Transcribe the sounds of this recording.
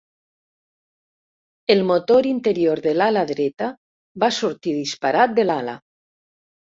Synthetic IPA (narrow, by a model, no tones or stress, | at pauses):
elmot̪oɾint̪eɾijoɾðelalaðɾɛt̪a | βasuɾt̪iðispaɾat̪̚d̪elala̰